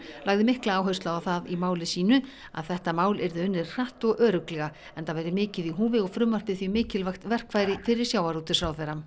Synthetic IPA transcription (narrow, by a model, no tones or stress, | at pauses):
laɣðɪmɪhklaaːwɦœst̪laawθaðimaːwlɪsiːnʏ | a̰ðθɛht̪amaːwlɛɾðʏʏnːɪɾ̥r̥aht̪ɔɣʔœːɾʏklɛɣa | ɛnθavajɾɪmɪːcɪðiɦuːvɪɔɣfɾʏmːvar̥p̪ɪθvimɪːcɪlvajxt̪vɛr̥kvajɾɪfɪɾɪɾ̥sjaːwaɾuːt̪ɪsɾawθɛjɾam